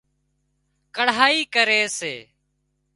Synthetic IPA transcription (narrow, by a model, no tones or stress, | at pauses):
kəɽ̤aːiːkəɾeːseː